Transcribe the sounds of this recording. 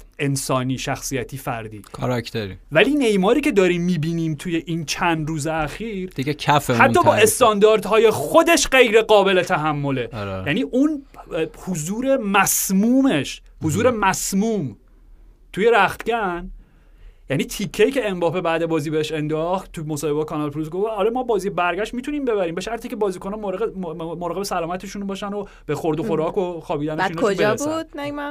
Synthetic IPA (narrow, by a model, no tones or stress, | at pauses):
ʔe̞nsɒːniːʃæxsijæt̪ʰiːfæɾd̪iːkʰɔɾakt̪eɾḭvæliːnejmɒːɾiːcʰe̞d̪ɒːɾiːmːiːbiːniːmt̪ʰuje̞ʔiːnt͡ʃʰænd̪ɾuːzeæxiːɾd̪̥iɡekʰæfehæt̪ːɒːbɒːʔe̞st̪ɒnd̪ɒːɾd̪hɒːje̞xo̞d̪e̞ʃɢe̞jɾe̞ɡɒːbe̞let̪ʰæɦæmːo̞le̞ɾjæniːʔunhozuːɾe̞mæsmuːmeʃ | hozuːɾe̞mæsmuːm | t̪ʰuje̞ɾæxt̪ɟæn | jæniːt̪ʰikʰːecʰeːmbɒːfebæːd̪ebɒːziːbeheʃe̞nd̪ɒːxt̪ʰːumosɒːhe̞bkʰɒnɒlpʰɾus̬ɡofɒːɾemɒːbɒːziːebæɾɟæʃt̪miːt̪ʰuniːmbe̞βæɾiːmbe̞ʃæɾt̪ʰiːcʰe̞bɒːziːkʰo̞nɒːmoɾemoɾɒːɣeesælɒːmæt̪ʰeʃunbɒːʃæno | b̥exo̞ɾd̪oxo̞ɾɒːkʰoxɒːbiːd̪æneinɒobeezbud̪̥næmæ